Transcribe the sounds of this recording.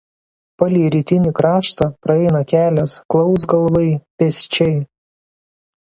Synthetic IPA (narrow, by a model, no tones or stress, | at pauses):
pɐlʲiːɾʲiːt̪ʲɪnʲikɾɑːʃt̪ɑpɾɐɛɪnɐkʲæːlʲɛsklˠɒʊsɡɐlˠʋɐɪpʲɛsʲt͡ʃʲɛɪ